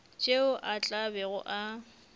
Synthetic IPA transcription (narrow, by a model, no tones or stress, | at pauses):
t͡ʃʼeʊʔat͡ɬʼabɛɣʊ̰ʔa